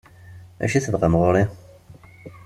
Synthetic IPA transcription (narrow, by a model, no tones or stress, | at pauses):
æ̰ʃiθəvʁəmʁoɾˤi